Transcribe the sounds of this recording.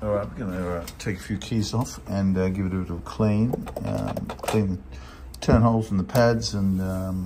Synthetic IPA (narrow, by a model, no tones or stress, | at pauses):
ɔlˠɹaɪt̚wəɡʌnɨʌtʰeɪkə̥fjʉkʰizɔf | ɨ̃nʌɡɪvɨɾɨbɪɾʌv̥kʰl̥ĩnʌ̰kʰl̥ĩnðɨ | tʰɜ̃˞nhoʊlˠfɹʌ̃m̩ðəpʰædzɨ̃nʌ